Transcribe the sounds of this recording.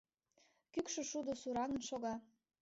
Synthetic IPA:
kykʃø̆ʃud̪osuɾɑŋə̆nʃoɣɑ

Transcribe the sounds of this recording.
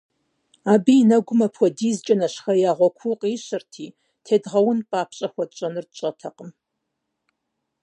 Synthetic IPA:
aːbiːnɐɡʷʊmɐpʰwʷɔdiːzt͡ʃʼɐnɐɕxɐjaːʁʷɔkʷʰuqʼiːɕɨrtʰiː | tʰeːdʁɐwʊnpʼaːpʰɕʼɐxʷɔtt͡ʃʼɐnɨrt͡ʃʼɐtʰɐqəm

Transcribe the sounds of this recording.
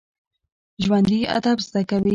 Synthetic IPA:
ʒwand̪ia̰d̪abzd̪akawi

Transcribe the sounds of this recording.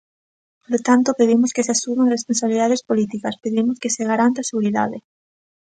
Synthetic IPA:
polot̪ant̪opeðimoskeseasumeŋrespõnsaβiliðaðespolit̪ikaspeðimoskeseɣaɾant̪aseɣuɾiða̰ðe

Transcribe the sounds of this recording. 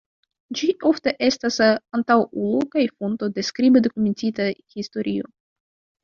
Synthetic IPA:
d͡ʒiʔo̞fte̞ʔe̞stasantawulokajfonto̞de̞skɾibedo̞kume̞ntitahisto̞ɾʔio̞̰

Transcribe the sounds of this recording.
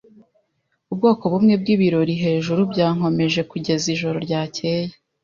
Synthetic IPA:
ub̚ɡo̞ːko̞βumŋe̞b̚ɡiβiɾo̞ɾiɦe̞ːʒuɾubɟaːŋ̥ho̞me̞ʒe̞kuɟe̞ziʒo̞ɾo̞ɾɟaːce̞ːje

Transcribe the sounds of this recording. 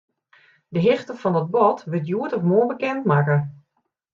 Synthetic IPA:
dəɦɪxtəfɔndɔt̚bɔtʋɪtjuətɔfmoəbəkɛntmakə

